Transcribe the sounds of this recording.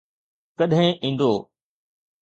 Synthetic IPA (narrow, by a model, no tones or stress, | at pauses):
kɐɗɦɪ̃ʔĩːn̆d̪oː